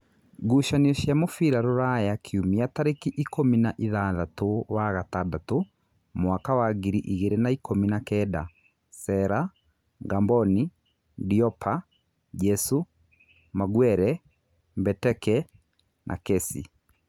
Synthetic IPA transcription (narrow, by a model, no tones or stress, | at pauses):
ɡuʃaniɔʃjamofiɾaɾoɾajakʰiumiataɾekiʔikominaʔiðaːðatowaɣatadato | moakawaɡiɾiʔiɣeɾenaikʰominakɛda̰ | sɛɾa | ɡambɔni | diɔpʰa | d͡ʒɛsu | maɡwɛɾɛ | mbɛtɛkɛ | nʔa̰kɛsḭ